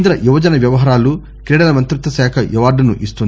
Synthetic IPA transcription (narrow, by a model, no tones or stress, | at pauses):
nd̪ɾɐjuʋɐd͡ʒɐnɐʋjɐʋɐɦɐːɾaːlu | kɾɛːɽɐlɐmɐnt̪ɾut̪ːɐsɛːkʰɐjuʋaːɾɖɐnṵʔist̪un